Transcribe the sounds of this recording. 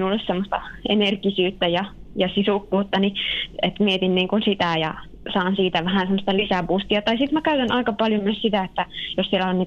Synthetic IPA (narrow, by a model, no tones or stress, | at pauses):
inulolissemːost̪ɑʔenerkisyːt̪ːæjɑjɑsisukːuːt̪ːɑniet̪miet̪inniːŋkunsit̪æjɑ | sɑːnsiːt̪æʋæhænsemːˑost̪ɑlisæpust̪iɑt̪ɑisit̪mækæyt̪ænʔɑikɑpɑljomyøssit̪æet̪ːæjossielonniːt̪